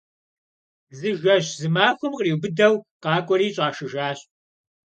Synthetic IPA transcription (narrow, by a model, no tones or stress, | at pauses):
zɨʒʷɐʑzɨmaːxʷʊmqriːwbɨdɐwqɑːkʷʼɔɾiːɕʼaːʃɪʒaːɕʼ